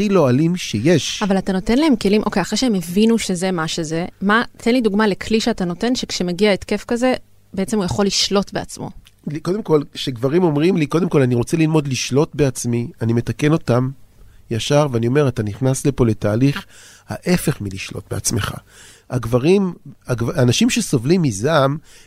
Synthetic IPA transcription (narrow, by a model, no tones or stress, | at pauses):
ilo̞alimʃejeʃavalatano̞t̪e̞nlaɦe̞mke̞limʔo̞kejaχʁeʃeemevinuʃe̞ze̞maʃeze̞mat̪ʰenliduɡmale̞kʰliʃeatano̞te̞nʃekʃemeɡiaet̪ke̞fkaze̞ | beet͡se̞mujaχo̞liʃlo̞tbe̞a̰t͡smo̞̰ | ko̞d̪emko̞lʃeɡvaʁimo̞mʁimliko̞demko̞laniʁot͡selilmo̞d̪liʃlo̞tbeat͡smianimet̪ake̞no̞tamjaʃaʁveanio̞me̞ʁataniχnaslepo̞le̞taːliχ | ha̰ʔefe̞χmiliʃlo̞̰t̚bea̰t͡sme̞χa̰ | aɡvaʁimaɡvːnaʃimʃeso̞vlimːizam